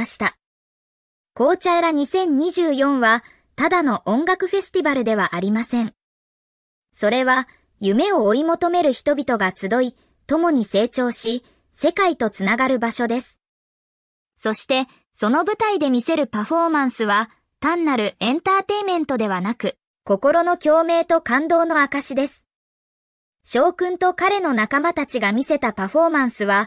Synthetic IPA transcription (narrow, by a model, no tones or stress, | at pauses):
ɕi̥t̪a | ko̞ːt͡ɕaeɾaɲ̟isẽ̞ɲ̟ɲːiʑɨːjõ̞ɰ̃βa | t̪ad̪ano̞ʔõ̞ŋɡakɯ̟ɸe̞sɨ̥t̪ʲibaɾɯ̟d̪e̞β̞aʔaɾʲimasẽ̞ɴ | so̞ɾe̞βa | jɯ̟me̞o̞ːimo̞t̪o̞me̞ɾɯ̟çi̥t̪o̞bʲit̪o̞ɡat͡sɨd̪o̞i | t̪o̞mo̞ɲ̟ise̞ːt͡ɕo̞ːɕi | se̞kait̪o̞t͡sɨnaɡaɾɯ̟baɕo̞d̪e̞sɨ̥ | so̞ɕi̥t̪e̞ | so̞no̞bɯ̟t̪aid̪e̞mʲise̞ɾɯ̟paɸo̞ːmãɰ̃sɨβa | t̪ãnːaɾɯ̟ẽ̞nt̪aːt̪e̞imẽ̞nt̪o̞d̪e̞β̞anakɯ̟ | ko̞ko̞ɾo̞no̞kʲo̞ːme̞ːt̪o̞kãnd̪o̞ːno̞akaɕid̪e̞sɨ̥ | ɕo̞ːkɯ̟̃nt̪o̞kaɾe̞no̞nakamat̪at͡ɕiɡamʲise̞t̪apaɸo̞ːmãɰ̃sɨβa